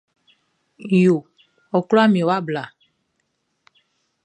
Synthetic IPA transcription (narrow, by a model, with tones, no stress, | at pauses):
jo˨ | ɔ˨klɔ˦a˦mĩ˨wo˦a˦bla˨